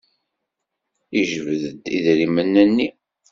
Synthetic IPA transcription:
iʒəvəðəd̪iðɾimənːænːi

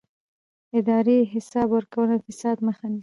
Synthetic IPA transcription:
ɪd̪ɑɾeɦɪsɑbwəɾkawənafɪsɑd̪məxani

